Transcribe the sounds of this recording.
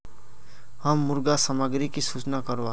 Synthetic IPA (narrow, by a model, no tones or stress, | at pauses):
həmːʊɾɡasəməɡɾikisut͡ʃnakəɾʋa